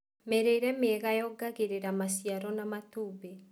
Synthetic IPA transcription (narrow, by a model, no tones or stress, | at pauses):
mɛɾeiɾɛmeɛɣajɔɡaɣeɾeɾamasiaɾɔnamatuːβe